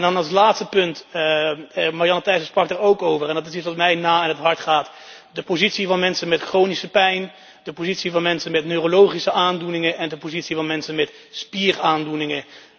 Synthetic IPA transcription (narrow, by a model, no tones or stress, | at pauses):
ndɑnɑlˠs̬laːtstəpɵnt | marjɑnətɛjsəsprɑk̚daɹowkowvərɛndɑtɪs̬itsʋɑtmɛjnaːɪnɦətɦɑɹtχaːt | dəpowzitsivɑnmɛnsənmɛtχrownisəpɛjn | d̥əpozitsivɑnmɛnsənmɛtnøːrolowχisəʔaːndunɪŋəʔɛndəpozitsivɑnmɛnsənmɛt | spiːraːndunɪŋə